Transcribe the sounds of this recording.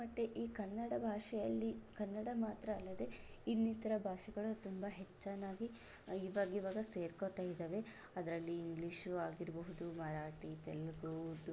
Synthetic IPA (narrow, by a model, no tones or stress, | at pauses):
mɐt̪ːeʔiːkɐnːɐɽɐbʱaːʂɛjɐlːikɐnːɐɽɐmaːt̪ɾɐːlːɐd̪e̞ | inːit̪ɐɾɐbʱaːʂɛɡɐɭut̪umbɐɦet͡ʃːanːaːɡi | iʋaːɡiʋaːɡɐse̞ːɾkot̪aːjid̪eːʋe̞ | ɐd̪ɾɐlːiːŋɡliʃaːɡiɾɐbɐɦud̪umɐɾaːʈit̪elɡud̪